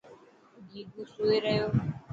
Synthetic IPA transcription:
d͡ʒiːɡũːsuːeːɾəɦjoː

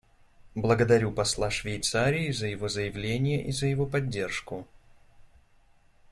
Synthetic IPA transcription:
blˠəɡəd̪ɐɾʲupɐslˠaʂvʲɪjt̪saɾʲɪːzəjɪvo̞zəjɪvlʲenʲɪjəʔizəjɪvo̞pɐdʲːe̞rʂkʊ

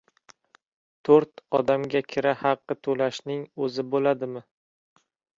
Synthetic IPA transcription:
t̪ʰɵɾt̪ɒd̪amɡʲakʲʰɪɾahɑqːɨt̪ʰolaʃnɪŋɵzɪbolad̪ɪmɪ

